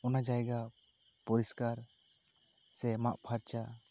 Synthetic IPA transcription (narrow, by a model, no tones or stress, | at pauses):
ɔnad͡ʒajɡa | pɔɾiskaɾ | sɛmaʔpʰaɾt͡ʃa